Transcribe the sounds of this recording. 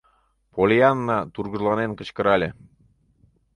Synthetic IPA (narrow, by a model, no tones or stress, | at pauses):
polʲiɑnːɑt̪urɣəʒlˠɑnenkə̆t͡ɕkə̆ɾɑlʲe